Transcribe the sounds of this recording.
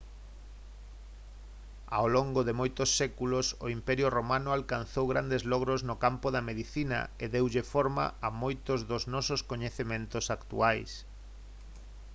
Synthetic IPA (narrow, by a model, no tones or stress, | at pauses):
a̰oloŋɡoðemojt̪ʊsːɛkulosoimpɛɾjʊromanʊalkan̟θowɣɾand̪ezlɔɣ̞ɾoznʊkampʊðɐmeðiθinɐ̰eðewʎefɔɾma̰amojt̪ʊzðʊznɔsʊskoɲeθemẽnt̪ʊsakt̪ṵajs